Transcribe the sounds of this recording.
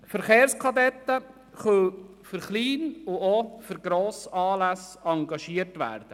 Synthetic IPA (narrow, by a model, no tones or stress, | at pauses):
fəɾχeːɾskʰɑd̪ɛt̪ːə | χœl | fʏɾχliːnʊofʏɾɡ̥ɾoːsɑːlæsɑŋɡɑʃiəɾtʋæ̰ːɾd̥̪ə